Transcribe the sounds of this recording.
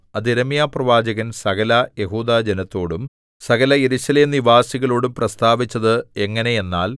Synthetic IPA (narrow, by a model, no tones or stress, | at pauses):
ɐd̪eɾɐmijaːprɐʋaːd͡ʑɐɣɐnsɐɣɐlɐje̞ɦuːd̪aːd͡ʑenɐt̪ːo̞ːɽum | sɐɣɐlɐje̞ɾuɕɐleːmniʋaːsiɣɐɭo̞ːɽumprɐst̪aːʋit͡ɕːɐðɨe̞ŋːɐne̞je̞nːa̰ːl